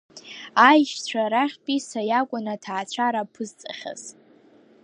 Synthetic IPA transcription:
ajʃt͡ɕʷʰaɾaχʲpʼisajakʷʼʊnatʰaːt͡ɕʷʰaɾapʰɨzt͡sʼaχʲa̰z̥

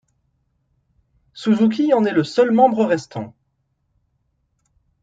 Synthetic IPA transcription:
suzuk̬ʲiɑ̃nɛləsœlmɑ̃bʁəʁɛst̪ʰɑ̰̃

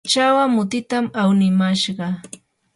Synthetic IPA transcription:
t͡ʃawamʊt̪ɪt̪amawnɪmaʃɢɑ

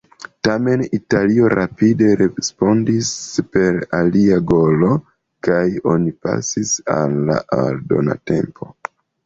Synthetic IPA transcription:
tame̞nitalio̞ɾʔapide̞ɾespo̞ndispe̞ɾaliaɡo̞lo̞ | kajo̞nipa̰sisalːa̰ʔaldo̞na̰te̞mpo̞

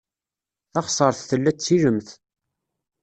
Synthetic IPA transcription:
θɑχsˤəɾˤθθəlːæt͡sːiɾəmθ

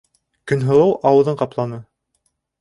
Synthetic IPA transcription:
kɵ̆nɦɤ̆lˠɤwɑwɤ̆ðɤɴqɑplˠɑnɤ

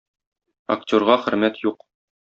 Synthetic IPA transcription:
ɐ̰k̚tʲoɾʁɑχɘ̆ɾmæt̪juq

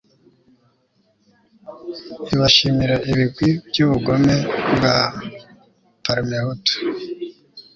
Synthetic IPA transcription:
iβaʃimiɾaʔiβiɡwibɟuːβuɡomeŋɡa | paɾimehuto̥

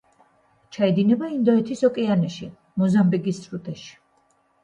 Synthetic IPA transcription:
t͡ʃʰaɛd̪inɛbaind̪ɔɛt̪ʰisɔkʼɛanɛʃi | mɔzambiɡist̪ʼɾut̪ʼɛʃi̥

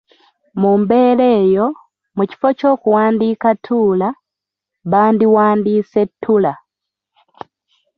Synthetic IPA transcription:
mumbeleːjo | muci̥fot͡ʃo̞ːkuwaːndikatʰula | βaːndiwaːndisetʰːula

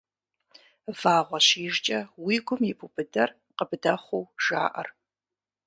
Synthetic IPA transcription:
vaːʁʷɔɕiːʒt͡ʃʼɐwiːɡʷʊmjɪbʰubɨdɐr | qəbɨdɐχʷowʒ̥a̰ːʔɐ̰r

